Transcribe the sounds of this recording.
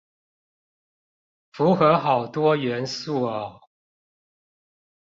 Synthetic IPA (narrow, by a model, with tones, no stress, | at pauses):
fu˨˥xɤ˨˧˥xɑ˨˩ʊt̪wɔ˥ɥɛ˨˦nsu˥˨ə˨˩